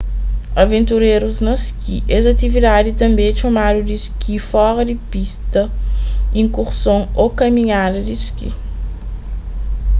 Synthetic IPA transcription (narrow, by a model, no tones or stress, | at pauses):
ɐvẽnt̪uɾeɾuznɐskiʔɛzɐt̪ivid̪ad̪it̪ɐ̃mbẽt͡ʃomad̪ud̪iskifɔɾɐd̪ipist̪ɐ | ĩŋkuɾsõŋokɐmĩɲad̪ɐd̪iskḭ